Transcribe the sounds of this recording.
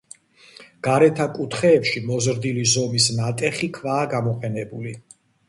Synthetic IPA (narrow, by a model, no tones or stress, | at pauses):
ɡ̥aɾɛt̪ʰakʼut̪ʰχɛːpʃimɔzɾd̪ilizɔmisnat̪ʼɛχikʰvaːɡamɔqʼɛnɛbuli